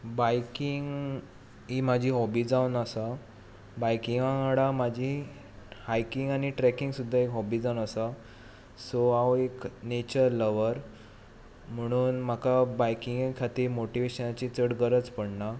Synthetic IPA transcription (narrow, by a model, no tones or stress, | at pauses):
bajkiŋɡ | imad͡ʑʱiːɦɔbiːd͡zaunəsa | bajkiŋɡãɽamad͡ʑʱi | hajkiŋɡañiʈɾɛkiŋɡsud̪ʱːaekɦɔbiːd͡zawnəsa | soaweknet͡ɕəɾləʋəɾ | m̤əɽ̃uːnm̤akabajkiŋɡkʰat̪iːɾmoʈiʋeɕənat͡ɕit͡səɽɡəɾət͡spəɽɳa